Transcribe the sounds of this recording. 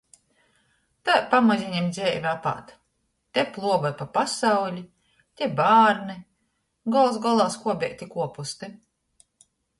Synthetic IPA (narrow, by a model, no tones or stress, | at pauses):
t̪apamazʲiɲɛmd̪zʲɛːvʲapa̰t̪ | t̪ʲɛplˠuɔvapapasawlʲi | t̪ʲebaːɾnɨ | ɡɔlˠs̬ɡɔlˠaːskuɔbʲɛ̰jk̚ʲt̪ʲikuɔpust̪ɨ